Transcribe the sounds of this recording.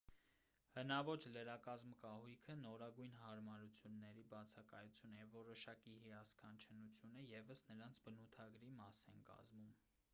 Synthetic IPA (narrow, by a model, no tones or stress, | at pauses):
hənɑvɔt͡ʃləɾɑkɑzmkɑhujkʰənɔɾɑɡujnɦɑɾmɑɾut͡sʰjunːɛɾibɑt͡sʰɑkɑjut͡sʰjunəjɛvːɔɾɔʃɑkiɦiɑskʰɑnt͡ʃʰənut͡sʰjunəjɛvəsnəɾɑnt͡sʰbənut̪ʰɑɡɾimɑsɛnkɑ̰zmum